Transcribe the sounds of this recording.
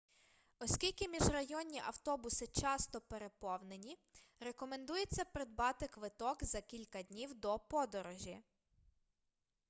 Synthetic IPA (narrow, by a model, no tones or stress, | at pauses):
ɔsʲkʲilʲkɪmʲiʒrɐjɔnʲːiʔɐwt̪ɔbʊsɪt͡ʃɑst̪ɔpe̞ɾe̞pɔwnenʲiɾe̞kɔme̞nd̪ujet͡sʲːɐpɾed̪̚bɑt̪ɪkʋɪt̪ɔkzɐkʲilʲkɐdʲnʲiwd̪ɔpɔd̪ɔɾɔʒʲi